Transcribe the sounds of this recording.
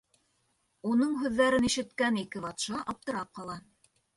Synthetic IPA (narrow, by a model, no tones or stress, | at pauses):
unɤɴɦʉðːæɾɘniʃɘ̆t̪kænikɘβɑt̪ʃɑʔɑp̚t̪ɤ̆ɾɑp̚qɑlˠɑ